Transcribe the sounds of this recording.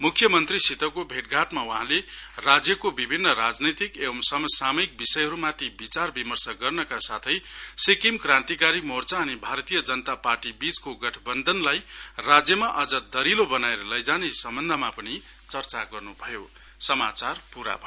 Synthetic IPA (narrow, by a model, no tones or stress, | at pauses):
mukʰːjʌmʌnt̪risit̪ʌwkobʱeʈ̚ɡʱaʈmawuɦãlerad͡zjʌkobibʱinːʌɾad͡znʌt̪ikebʌmsʌmʌsamʌik̚bisʌjɦʌɾumat̪ʰibit͡sarbimʌrsʌɡʌrnʌkasat̪ʰʌjsekimkrãnt̪ikaɾimort͡saːnibʱaɾt̪ijʌd͡zʌnʌt̪aparʈibit͡skoɡʌʈʰʌbʌnd̪ʱʌnlajrad͡zjʌmaʔʌd͡zʌd̪ʌɾilobʌnaeɾʌlʌjd͡zanesʌmbʌnd̪ʱʌmapʌni | t͡sʌrt͡saɡʌrnubʱʌjo | sʌmat͡sarpuɾa̰bʱ